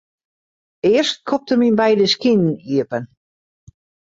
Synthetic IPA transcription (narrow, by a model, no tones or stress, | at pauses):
ɪərst̚kʰop̚təminbɛjdəskinn̩iəpən